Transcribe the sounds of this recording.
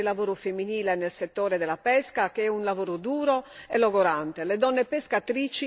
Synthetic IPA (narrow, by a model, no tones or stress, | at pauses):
ilavoːɾufemːiniːlɛnelset̪ːɔːɾɛd̪ɛlapɛskak̟eɛunlavoːɾud̪uːɾɔɛlɔɡɔɾant̪elɛd̪ɔnːepɛskat̪ɾiːt͡ʃi